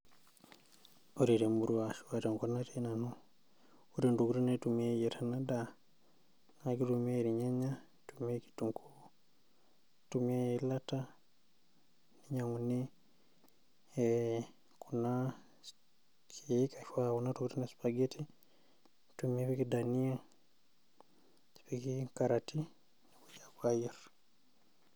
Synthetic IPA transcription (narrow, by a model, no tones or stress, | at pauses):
oɾiɾemuɾuwaʃuateŋkonatenano | oɾinduɡuɾunetumejetʰanada | nakiɾumeɾiɲeɲa | tumeki̥tuŋkʰu | tumelata | niɲamuni | e | kuna | kieikafwaunatukitunespaɡetʰi | tumeβikidania | βikiŋkaɾati | nokud͡ʒakwajiɾa